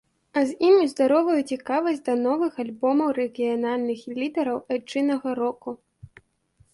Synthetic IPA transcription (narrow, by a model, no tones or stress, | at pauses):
ɐzʲimʲizd̪aɾɔvɐjut͡sʲikavɐzʲd̪ɐnɔvɨxalʲbɔmɐwɾɛɣʲijanalʲnɨxilʲid̪ɛɾɐwat͡ʂɨnɐɣɐɾɔku